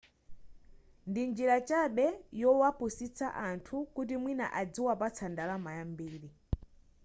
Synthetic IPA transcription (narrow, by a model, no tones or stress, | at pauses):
ndind͡ʒiɾat͡ʃaɓɛjɔwapusit͡sʰa̰ʔantʰukut̬imwina̰ʔad͡ziwapat͡sʰandalamajambiːɾi